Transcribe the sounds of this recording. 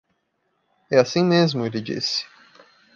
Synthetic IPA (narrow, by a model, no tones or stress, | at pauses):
ɛasĩmezmʊelɪd͡ʒḭsɪ̥